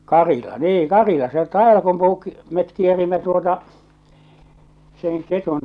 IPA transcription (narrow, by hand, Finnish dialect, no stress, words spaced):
kɑrilɑ niːŋ kɑrilɑ se tɑeʋɑlkumpuː met kierimːæ tuotɑ seŋ ketun